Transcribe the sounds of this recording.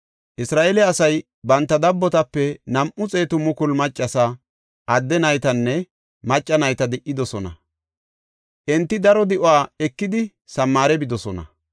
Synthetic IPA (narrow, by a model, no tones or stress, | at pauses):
ʔɪsɾaːʔelɛɐsɐj | bɐnt̪ːɐd̪ɐbːɔt̪ɐpːɛnɐmʔʊt͡sʼe̞ːt̪ʊmʊkʊlmɐt͡ʃʼːɐsɐ | ʔɐd̪ːɛnɐjt̪ɐnːɛ | mɐt͡ʃʼːɐnɐjt̪ɐd̪ɪʔːɪd̪ɔsɔnɐ̰ | ʔɛnt̪ːɪd̪ɐɾɔd̪ɪʔʊaːɛkːɪd̪ɪ | sɐmːaːɾɛbɪd̪ɔsɔnɐ̰